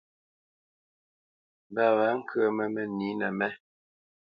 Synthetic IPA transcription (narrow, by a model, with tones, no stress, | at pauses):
ba˨wa˨˦ŋ̩˦kʰɰə˦˨mə˨mɛ˨ni˨˦nɛ˨mɛ˦